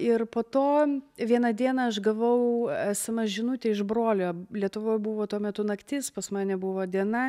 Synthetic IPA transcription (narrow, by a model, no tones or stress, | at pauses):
ɪrpoːt̪oːʋʲiɛnɐd̪ʲiɛnɐɐʃɡɐʋɐʊɐsʲɪmɐʒʲɪnʊt̪ʲeːɪʒbɾoːlʲoːlʲiɛt̪ʊʋoːjbʊʋoːt̪uɔmʲɛt̪ʊnɐkt̪ʲɪspɐsmɑːnʲɛbʊʋoːd̪ʲiɛnɐ